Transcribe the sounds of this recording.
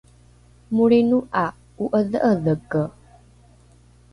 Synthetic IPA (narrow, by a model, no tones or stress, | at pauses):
muɽenuʔa | uʔəðəʔəðəkə